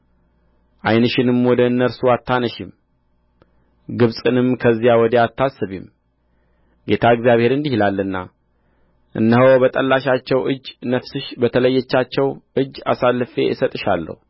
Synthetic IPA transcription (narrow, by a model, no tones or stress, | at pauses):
ʔajnɨʃɪnɨmwɔd̪əɨnːəɾsuat̪ʰːanəʃim | ɡɨβsʼɨnɨmkʰəzːijawɔd̪əjat̪ʰːasːɨβḭm | ɡe̞t̪ʰaɨɡzjaβhe̞ɾɨnd̪ihilalːɨnːa̰ | ʔɨ̰nːəɦowbət̪ʼəlːaʃat͡ʃːɛwʔɨd͡ʒːnəfsɨʃbət̪ʰələjːɛt͡ʃːat͡ʃːɛwʔɨd͡ʒːa̰salːɨfe̞̰ɪsət̪ʼɨʃalːə̰hu